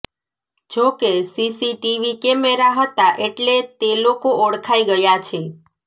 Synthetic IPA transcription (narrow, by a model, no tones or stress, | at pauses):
d͡ʒokesisiʈiʋikemeɾaɦət̪aʔeʈlet̪elokoʔoɽkʰaiɡəjat͡ʃʰe